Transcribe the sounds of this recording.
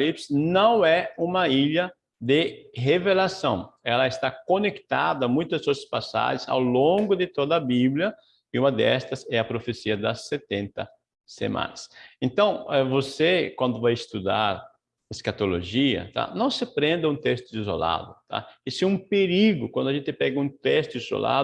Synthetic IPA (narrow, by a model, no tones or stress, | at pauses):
lipsnɐ̃w̃ɛũmɐiʎɐ | d̪ɪɦevelasɐ̰̃w̃ɛlɐest̪akonekt̪a̰d̪ɐmũj̃t̪ʊsospasa̰ʒɪ̃sa̰wlõŋɡʊd̪ɪt̪od̪ɐːbibljɐ | ɪũmɐd̪ɛst̪ɐsɛɐpɾofesiɐd̪ɐsːet̪ẽnt̪ɐ | sḛmã̰nɐsẽnt̪ɐ̃w̃ɛvosekwɐ̃nd̪ʊvajest̪ud̪aɾ | eskat̪olo̰ʒiɐ̰t̪a̰nɐ̃w̃sɪpɾẽnd̪ɪũt̪ɛst̪ʊizo̰la̰d̪ʊt̪ʰa̰ɪsɪũpeɾiɡʊkwɐ̃nd̪ʊaʒẽnt̪ɪpɛɡɐũt̪ɛst̪ʊizo̰lʔa̰